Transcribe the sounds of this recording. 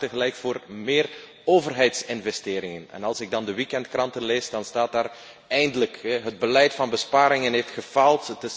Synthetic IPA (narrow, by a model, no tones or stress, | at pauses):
təɣəlɛjkfoːrmɪːr | oːvərɦɛjtsɪnvɛsteːɾɪŋənɛ̰nɑlˠsɪɡ̚dɑndəʋikɛntkrɑntənleːsdɑnstaːt̚daːr | ɛjndələkɦəd̚bəlɛjtfɑnbəspaːɾɪŋənɦeːftχəvɑlˠtətɪ